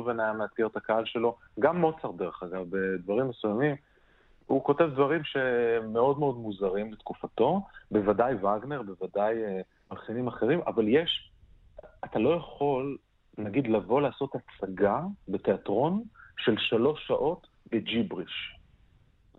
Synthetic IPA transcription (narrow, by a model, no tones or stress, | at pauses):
venajameatɡeʁt̪akaalʃe̞lo̞ | ɡamːo̞t͡saʁde̞ʁeχaɡavbedvaʁimːesujamim | uko̞te̞vdvaʁimʃe̞mːeo̞dmeo̞dmuzaʁimlet̪kufato̞be̞vadajvaɡne̞ʁbe̞vadaj | malχinimaχe̞ʁimʔa̰valjeʃ | atalo̞jaχo̞l | naɡid̪lavo̞laːso̞t̪hat͡saɡabe̞te̞atʁo̞nʃe̞lʃalo̞ʃːaʔo̞t | be̞d͡ʒibʁiʃ